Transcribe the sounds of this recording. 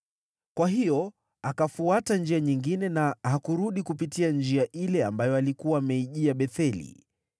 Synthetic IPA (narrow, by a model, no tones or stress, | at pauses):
kwaɦijɔ | akafuatand͡ʒiaɲiŋɡinɛnahakuɾuɗikupitiand͡ʒiaʔilɛambajɔalikuwaːmɛiʄiaɓɛθɛlḭ